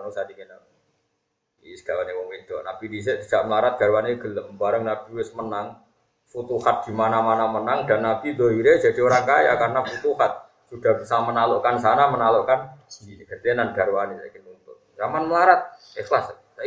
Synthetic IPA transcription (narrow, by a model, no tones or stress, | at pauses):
anusadikina | isə̥ɡ̥alanimomint̪oʔnapidis̬ɛʔbisaʔməlaɾat̪̚ɡ̥a̤ɾwaniɡ̥ələbaɾəŋnabiwɪsmənaŋ | fut̪uhat̪̚ɡ̥i̤manamanamənaŋd̥anːab̥id̪oɾiɾe̥d͡ʒ̥ad̥ioɾaŋkaja̰karnafut̪uhat̪̚ | sud̥a̤ɦb̥isamənaloʔkans̬anamənaloʔkaniɡ̥əd̪enanɡ̥a̤ɾwanisa̰kɪnunt̪ʊrjamanməlaɾat̪̚ | exlas | a